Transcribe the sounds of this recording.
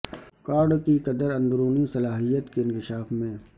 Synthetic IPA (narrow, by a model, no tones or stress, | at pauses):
kaːɾɖkikɐd̪əɾɐ̃nd̪ɾuːnisɐlaːɦijət̪keɪ̃nkɪʃaːfmẽ